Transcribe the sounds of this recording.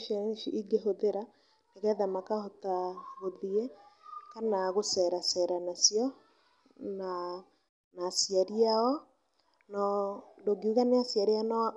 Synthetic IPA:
ʃɛʃiʔiɡeɦoðeɾa | neɣɛðamakahotahoðiɛkanaɣosɛɾasɛɾanasiɔ | na | nasiaɾiaɔ | nɔdoɡiuɣaneasiaɾiana

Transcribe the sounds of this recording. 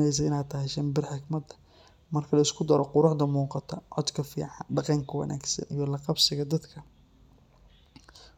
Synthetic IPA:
ɛjs̬ɐɪnaːt̪ʰɐɦɛjʃɐmbɪrħɪɡmɐd̪ɐ | mɐrkʰɐlɐɪskʰʊd̪ɐɾɔqʊɾʊħd̪ɐmuːqɑt̪ʰɐʕɔd̪kʰɐfḭːʕɑnɖɑqɑŋkʰɐwɐ̰nʔa̰ːɡsɐ̰nʔijɔlɐqɑbsɪɣɐd̪ɐd̪kʰɐ

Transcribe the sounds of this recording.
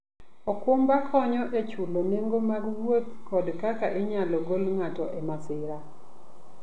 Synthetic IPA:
ɔkwombakʰɔɲɔʔet͡ʃuloneŋɡomaɡwot̪kɔdkakaʔeɲalɔɡolŋatɔʔemasɪɾa

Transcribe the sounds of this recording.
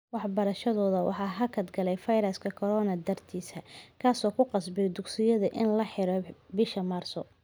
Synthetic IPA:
wɑħbɐɾɐʃɐðɔːðɐwɑ̰ħɑːɦɐkʰɐd̪ɡɐlɛjfɐjɾɐskʰɐkʰɔɾɔːnɐd̪ɐrt̪ʰiːsɐkʰaːsɔːkʰʊqɑsbɪd̪ʊksɪjɐðɐʔɪnlɐħɪɾɔbɪʃɐmaːrsɔ

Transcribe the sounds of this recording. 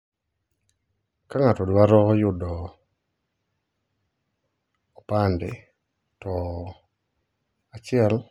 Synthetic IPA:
kaŋatɔdwaɾɔjʊdɔ | pandɪ | tɔ | at͡ʃɪɛl

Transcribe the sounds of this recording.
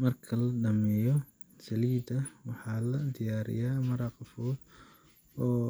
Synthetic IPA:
mɐrkʰɐlɐɖɐmɛːjɔ | sɐliːd̪ɐwɑħɑːlɐd̪ɪjaːɾɪ̰jaːmɐɾɑːqɑfɔːd̪ | ɔː

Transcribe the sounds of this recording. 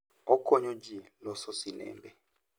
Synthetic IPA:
ɔkʰoɲud͡ʒilɔsosinɛ̰ːmbʱɛ

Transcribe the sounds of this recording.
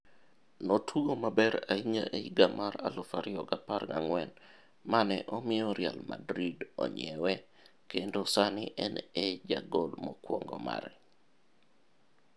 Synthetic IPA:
notʰwuɡomabɛɾaiɲaʔeiɡamaɾalʊfaɾɪɔɡaparɡaŋwɛn | manɛʔɔmɪoɾjalmadɾidɔ̰ɲɛwɛ | kendosanɪʔɛnɛd͡ʒaɡolmɔkwɔŋɡɔma̰ɾ

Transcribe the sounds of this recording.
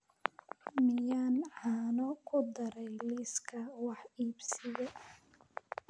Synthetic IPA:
mɪjaːnʕɑːnɔkʰʊd̪ɐɾɛjliːskʰɐwɑħiːbsɪjɛ

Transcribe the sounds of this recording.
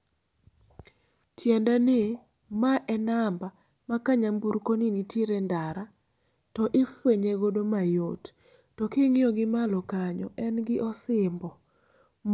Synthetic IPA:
tjɛndane | maʔɛnamba | makaɲambuɾkoninitʰiɾɛndaɾa | tɔʔɪfweɲeɡodomajot | tɔkeŋjoɡɪmalɔkaɲɔ̰ʔɛnɡɪʔɔsɪmbɔ

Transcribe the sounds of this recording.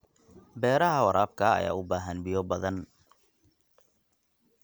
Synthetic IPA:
bɛːɾɐɦɐwɐɾʔaːb̚kʰɐɐ̰ja̰ːʊbaːɦɐnbijɔbɐðɐn

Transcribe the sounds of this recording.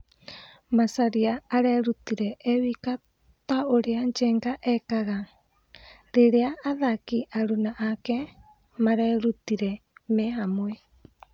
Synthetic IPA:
masaɾiaːɾɛɾutiɾɛʔɛwika | taoɾeaɲd͡ʒɛːŋɡaʔɛkaɣa | ɾeɾeaːðakiʔaɾunaʔakɛ | maɾɛɾutiɾɛmɛɦamwɛ

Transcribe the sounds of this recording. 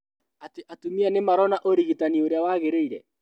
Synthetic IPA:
ateʔatumianemaɾɔnaʔoɾiɣitanioɾeawaɣeɾeiɾɛ

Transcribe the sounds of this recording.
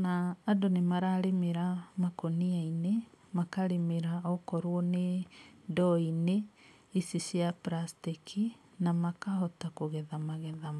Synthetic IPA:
naːdonemaɾaɾemeɾamakoniainemakaɾemeɾaɔkɔɾwɔnedɔine | isisjapɾastikʰi | namakaɦɔtakoɣɛðamaɣɛða

